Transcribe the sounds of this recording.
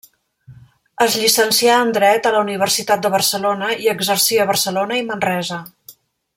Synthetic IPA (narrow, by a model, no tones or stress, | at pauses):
əzʎisənsiaənd̪ɾɛt̪ələuniβ̞ərsit̪at̪̚d̪əβ̞ərsəlonəiəɡzərsiəβ̞ərsəlonəimənrɛzə